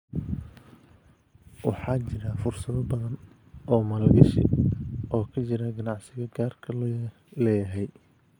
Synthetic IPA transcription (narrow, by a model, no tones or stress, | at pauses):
wɑ̰ħɑːt͡ʃɪɾɐfʊrsɐðɐbɐðɐn | ʔɔːmɐlɡɐʃɪ̰ʔɔːkʰɐt͡ʃɪɾɐɡɐnɑʕsɪɣɐɡaːrkʰɐl | lɛjɐɦɛj